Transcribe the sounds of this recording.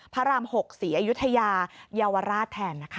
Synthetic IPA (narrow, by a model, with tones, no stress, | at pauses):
pʰa˦˥ɾaː˧mho˨˩k̚siː˩˦ʔaː˧ju˦˥t̪ʰːa˧jaː˧jaː˧wa˧ɾaː˥˩t̪ʰːɛː˧nːa˦˥kʰa˦˥